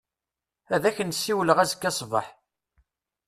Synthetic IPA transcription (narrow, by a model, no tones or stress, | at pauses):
æðæçənsːiwələʁæzəkːɑsˤvə̰ħ